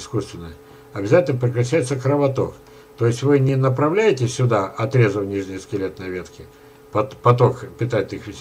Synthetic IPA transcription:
ɪskust̪vʲɪnːəj | ɐbʲɪzatʲɪlnəpɾʲɪkɾɐɕːæjɪt̪səkɾəvɐt̪o̞k | t̪o̞ɪsʲtʲvɨnʲɪnəpɾɐvlʲæjɪtʲɪsʲʊd̪aʔɐt̪ɾʲezəvnʲiʐnʲɪjəskʲɪlʲet̪nɐvʲet̪kʲɪ | pɐt̪pɐt̪̬o̞kpʲɪt̪aɪt̪ɨxʋʲɪsʲ

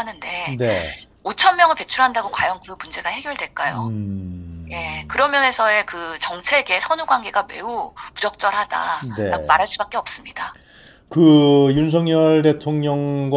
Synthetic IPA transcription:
anɯnde̞ne̞ | ot͡ɕʰʌnmjʌŋɯɭpe̞t͡ɕʰuɾɦandaɡokwajʌŋkɯmund͡ʑe̞ɡahe̞ɡjʌɭdwe̞ɭk͈ajo̰ | je̞kɯɾʌmjʌne̞sʰʌe̞kɯt͡ɕʌŋt͡ɕʰe̞ɡe̞sʰʌnuɡwanɡe̞ɡame̞upud͡ʑʌk̚t͡ɕ͈ʌɾɦad̥a̰nemaɾɦaɭs͈ubak͈̚e̞ʌp̚s͈ɯmɲida | kɯjuns̬ʰʌŋɲʌɭde̞tʰoŋɲʌŋɡw

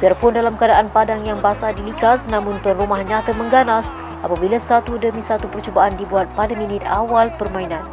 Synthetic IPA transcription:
biarpʊndalamkəadaʔanpadaŋjaŋbasadilikasnãmʊnt̪ərːumahɲãt̪əməŋɡanas | ʔapabilasat̪udəmisat̪upərt͡ʃubaʔandibuat̪̚padamĩnɪt̪̚awalpərmãinãn

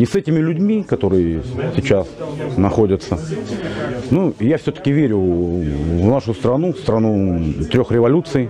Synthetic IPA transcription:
nʲɪsɛtʲɪmʲɪlʲʉdʲmʲikɐt̪o̞ɾɨjəsʲɪt͡ɕasnɐxodʲət̪sə | nujafsʲɵt̪ə̥kʲɪvʲeɾʲʊ | vnaʂʊst̪ɾɐnufst̪ɾɐnut̪ɾʲo̞xɾʲɪvɐlʲut̪sɨj

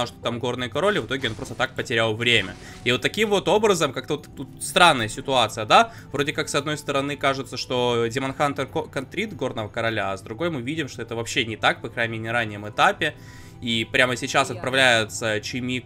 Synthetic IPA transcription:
ʂt̪o̥t̪amɡo̞rnɨjəkɐɾo̞lʲɪvɨt̪o̞ɡʲɪo̞npɾo̞st̪ət̪ak̚pətʲɪɾʲalˠvɾʲemʲə̰ | ivo̞t̪ːɐkʲimvo̞t̪o̞bɾəzəmkak̚t̪əvot̪t̪ut̪st̪ɾanːəjəsʲɪt̪ʊat̪sɨjəd̪a | vɾo̞dʲɪkaksɐd̪no̞jst̪əɾɐnɨkaʐɨt̪səʂt̪o̞dʲɪmɐnxant̪ərkɐnt̪ɾʲit̪ɡo̞rnəvəkəɾɐlʲaːzd̪ɾʊɡo̞jmɨvʲidʲɪmʂt̪o̞ɛt̪əvɐpɕːenʲɪt̪akpɐkɾaɪmʲenʲɪɾanʲːɪjəmɨt̪apʲɪ | ipɾʲaməsʲɪt͡ɕasɐt̪̚pɾɐvlʲæjɪt̪sət͡ɕɪmʲi

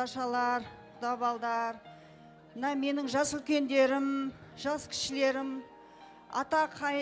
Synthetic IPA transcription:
ɑʃɑlˠɑɾ | d̪ɑβɑlˠd̪ɑɾ | mənɑme̞nɪŋʒɑsʏlkʲe̞nd̪e̞ɾɪmʒ̥ɑskʲʰɪ̥ʃɪle̞ɾɪm | ɑ̰t̪ɑqʰɑ

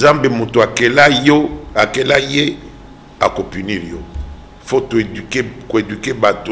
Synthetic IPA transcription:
zambemotoakelajoakelaje | a̰kopyniʁjo̰ | fotoedkekoedykebato

